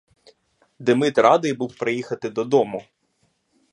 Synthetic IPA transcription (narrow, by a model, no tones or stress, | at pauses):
d̪emɪt̪rɑd̪ɪjbuwpɾɪjixɐt̪ɪd̪ɔd̪ɔmʊ